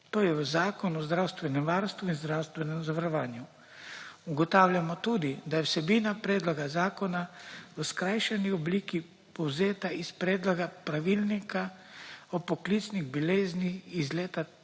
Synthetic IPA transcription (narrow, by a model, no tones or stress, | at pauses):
t̪oːjɛəzaːkɔnɔzd̪ɾawst̪ʋɛnɛmʋaːɾst̪ʋuinzd̪ɾawst̪ʋɛnɛmzaʋaɾɔʋaːnju | uɡɔt̪aːwlʲjamɔt̪uːd̪id̪ajɛwsɛbiːnapɾeːd̪lɔɡazaːkɔnaəskɾajʃɛniɔbliːki | pɔwzeːt̪aispɾeːd̪lɔɡapɾaʋiːlnikʰa | ɔpɔklit̪sniɣbileːznixizleːt̪a